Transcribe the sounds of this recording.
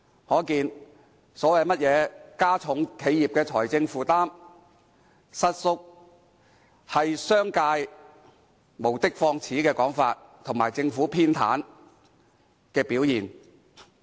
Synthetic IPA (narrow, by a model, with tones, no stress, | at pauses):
hɔː˨˥kiː˧n | sɔː˨˥wɐ˨jmɐ˥t̚jɛː˨˧kaː˥t͡sʰʊ˨˥ŋkʰe˨˧jiː˨˩p̚kɛː˧t͡ʃʰɔː˨˩jt͡sɪ˧ŋfuː˨˩t̪aː˥m | sɐ˧t̚sʊ˧k̚ | hɐ˨jsœː˥ŋkaː˧j | mo˨˩wt̪ɪ˥k̚fɔː˧ŋt͡sʰiː˨˥kɛː˧kɔː˨˥ŋfaː˧t̚ | t̪ʰʊ˨˩ŋmaː˨˩jt͡sɪ˧ŋfuː˨˥pʰiː˥nt̪ʰa̰ː˨˥n | kɛː˧piː˨˥wjiː˨˩n